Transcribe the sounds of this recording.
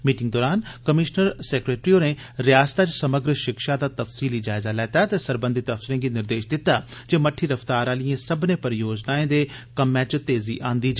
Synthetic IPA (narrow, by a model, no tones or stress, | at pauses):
miːʈɪŋɡd̪ɔːɾaːnkəmɪʃnəɾsɛːkɾeːʈɾioːneː | ɾɪjaːsə̥t̪at͡ʃsəməɡɾəʃɪkʃaːd̪aːt̪əfsiːliːd͡ʒaːɪzaːlɛːt̪aːt̪eːsəɾbə̃nd̪ɪt̪ːəfsɪɾẽːɡiːnɪɾd̪eːʃd̪ɪt̪ːaːd͡ʒeːməʈʰːiːɾəft̪aːɾãːlijẽːsəbnẽːpəɾjoːd͡ʒnaːẽːd̪eːkəmːɛ̃ːt͡ʃt̪eːziːʔãːnd̪iːd͡ʒ